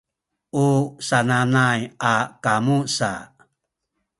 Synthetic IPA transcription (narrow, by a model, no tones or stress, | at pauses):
usananajakamusa̰